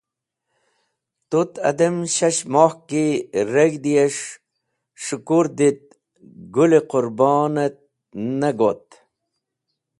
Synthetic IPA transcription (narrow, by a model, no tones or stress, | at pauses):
t̪ut̪ɐ̰d̪ɐmɕɐɕmoːhkiɾɐɡd̪ijeʂ | ʂukuɾd̪it̪̚ | ɡuleqʊɾbɑːnɐt̪̚ | nɐɡot̪̚